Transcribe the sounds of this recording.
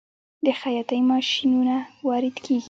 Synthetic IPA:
d̪əxajɑt̪ajmɑʃinunawɑɾɪd̪kʰeɡi

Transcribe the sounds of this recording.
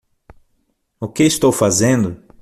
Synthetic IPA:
ʊkɪist̪owfazẽnd̪ʊ

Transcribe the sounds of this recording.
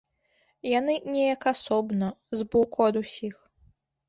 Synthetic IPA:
janɨnʲɛjɐkasɔbnɐzbɔkuɐd̪usʲix

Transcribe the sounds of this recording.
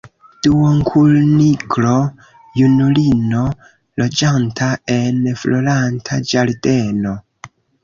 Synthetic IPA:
d̥uwoŋkʰulniklo̞ | junulino̞ | lo̞d͡ʒantʰae̞nfloɾantʰad͡ʒaɾde̞no

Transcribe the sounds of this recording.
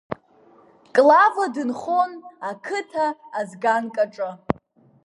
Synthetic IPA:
kʼlavadɨnχonakʰɨtʰaːzɡankʼaʈ͡ʂʼɨ

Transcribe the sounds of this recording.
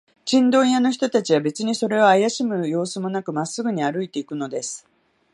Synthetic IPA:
t͡ɕĩnd̪õ̞ɰ̃jano̞çi̥t̪o̞t̪at͡ɕiβabe̞t͡sɨɲ̟iso̞ɾe̞oajaɕimɯ̟jo̞ːsɨmo̞nakɯ̟masːɨɡɯ̟ɲ̟iaɾɯ̟it̪e̞ikɯ̟no̞d̪e̞sɨ̥

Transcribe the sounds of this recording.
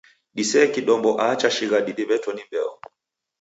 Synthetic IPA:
ɗisɛːkiɗɔmbɔʔaːt͡ʃaʃiɣaɗiɗiβɛtɔnimbɛɔ

